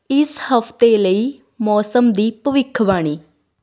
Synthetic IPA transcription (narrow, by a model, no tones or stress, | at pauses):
ɪshəpʰt̪eːləiː | mɔːsəmd̪iːpəʋɪkʰːbaːɽ̃iː